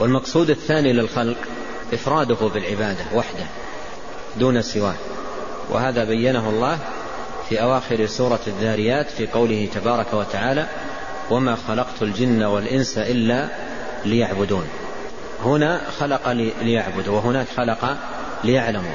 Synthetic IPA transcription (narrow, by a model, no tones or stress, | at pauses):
walmɑqsˤuːd̪aθːaːnilɪlxɑlq | ʔɪfɾˤɑːd̪ʊhʊbɪlʕɪbaːd̪awaħd̪ah | d̪uːnasɪwaːʔ | wʔɪ̰haːðabajːanaɦʊlˤːɑːh | fiːʔawaːxɪɾsuːɾˤɑðːaːɾɪjːaːt̪fiːqɑwlɪhɪt̪abɑːɾˤɑkawat̪aʕaːla | wamaːxɑlɑqt̪ald͡ʒɪnːawalʔɪnsaʔɪlːa | lɪjaʕbʊd̪uːn | hʊnaxalɑqɑllɪjaʕbʊd̪wɪɦʊnaːkxalɑqɑ | lɪjaʕlamṵ